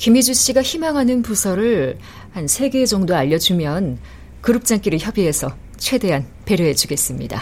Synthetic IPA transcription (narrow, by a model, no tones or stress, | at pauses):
kimid͡ʑuɕ͈iɡaçimaŋɦanɯnpusʰʌɾɯɭ | hansʰe̞ɡe̞d͡ʑʌŋdoaʎːʌd͡ʑumjʌn | kɯɾɯp̚t͡ɕ͈aŋk͈iɾɯɭçjʌbiɦe̞sʰʌ | t͡ɕʰwe̞de̞ɦan | pe̞ɾjʌɦe̞d͡ʑuɡe̞s͈ɯmɲida̰